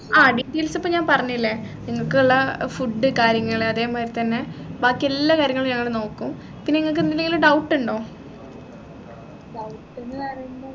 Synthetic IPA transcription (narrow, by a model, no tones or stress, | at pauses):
aːɖiɖilsɐpːoːɲaːnpɐrɐɲːilːe | niŋːɐɭkuɭːɐfuɖːɨkaːɾjɐŋːɐɭɐðe̞ːmaːɾt̪ɐnːebaːkːielːakaːɾjɐŋːɐɭɲɐŋːɐɭno̞ːkːum | pinːeeŋːɐɭk̬ːɨinːileŋɡiluɖɐwʈːuɳɖo̞ː | ɖɐwʈːɐrjɳɖo